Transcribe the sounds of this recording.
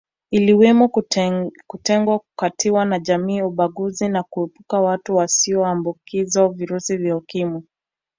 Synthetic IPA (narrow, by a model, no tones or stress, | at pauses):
iliwɛmɔ | kutɛŋɡwakukatʰiwanaʄamiːuɓaɠuzinakuɛpukawatuwasiɔwambukizaviɾusivjaukimi